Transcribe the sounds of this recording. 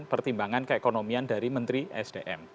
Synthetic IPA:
npərt̪imbaŋankəekonomiandaɾimənt̪ɾiʔɛ̰sd̥eʔɛm

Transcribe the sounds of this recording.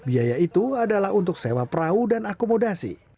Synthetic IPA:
biajait̪uadalaɦunt̪ʊk̚sewapɾaudanakomodasḭ

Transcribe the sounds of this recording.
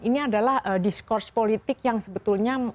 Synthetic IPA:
iniadalahədiskɔrspolit̪ɪkjaŋsəbət̪ulɲa

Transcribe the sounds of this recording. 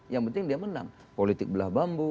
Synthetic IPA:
jaŋpənt̪ɪŋdiaməna̰ŋ | polit̪ɪk̚bəlahbambu

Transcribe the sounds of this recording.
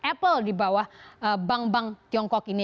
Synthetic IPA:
ʔɛpəldibawahəbaŋbaŋt̪iɔŋkɔkini

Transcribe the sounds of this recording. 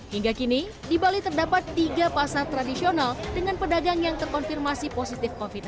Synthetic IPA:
hiŋɡakini | dibalit̪ərdapat̪ːiɡapasart̪ɾadisionaldəŋanpədaɡaŋjaŋt̪ərkɔnfirmasiposit̪ɪfkɔfit̪

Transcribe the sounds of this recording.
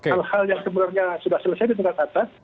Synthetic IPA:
kealhaljaŋkəbənarɲasudahsəlasebɪt̪̬̚məŋkat̪at̪a

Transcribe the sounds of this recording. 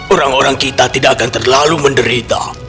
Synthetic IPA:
oɾaŋoɾaŋkit̪at̪idaʔakant̪ərlaluməndəɾit̪a̰

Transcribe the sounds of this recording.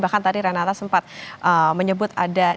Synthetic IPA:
bahkant̪adiɾanat̪asəmpat̪̚ʔəməɲəbʊt̪ada

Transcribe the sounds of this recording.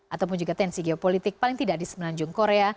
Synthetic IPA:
ʔat̪awp̬ʊnd͡ʒuɡat̪ɛnsiɡeopolit̪ɪk̚palɪŋt̪idadisəmənaɲd͡ʒʊŋkoɾea

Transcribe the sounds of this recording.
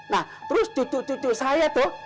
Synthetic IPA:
nah | t̪əɾʊsd̪̥ṳd̪̥uʔd̪̥ṳd̪̥uʔsajad̪̥ɔh

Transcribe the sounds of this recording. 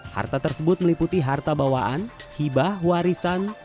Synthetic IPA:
ha̰rt̪at̪ərsəbʊt̪̚məliput̪iɦart̪abawaʔanhibahwaɾisan

